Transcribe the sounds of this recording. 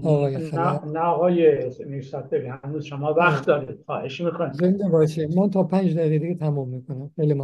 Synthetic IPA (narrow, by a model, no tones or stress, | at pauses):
ɒːɣɒːjexænæɣɒːjenisæt̪̚d̪eɾihænuzʃomɒːvæxt̪d̪ɒːɾid̪̚xɒ̰ːheʃmiːkʰonizend̪ebɒːʃemænt̪ʰɒːpʰænd͡ʒd̪æiɣed̪iɡet̪ʰæmumːiːkʰonæmxejlimɒ